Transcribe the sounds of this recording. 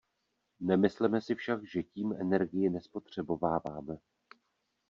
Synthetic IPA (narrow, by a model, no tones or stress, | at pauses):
nɛmɪslɛmɛsɪfʃakʒɛciːmɛnɛɾɡɪjɪnɛspo̞t̪r̝̥ɛbo̞vaːvaːmɛ